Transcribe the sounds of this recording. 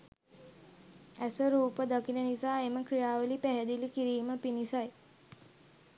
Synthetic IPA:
æsəɾuːpəd̪akinənisaːeməkɾijaːʋəlipæɦɛd̪ilikiɾiːməpinisaj

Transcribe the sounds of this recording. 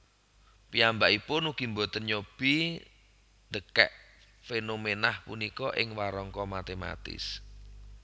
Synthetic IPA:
piambaʔipʊnuɡ̥i̤mbɔt̪ərɲob̥i | nd̪əkɛ̰ʔ | fenomenahpunikɔʔɪŋwaɾɔŋkɔmat̪ema̰t̪ɪ̰s

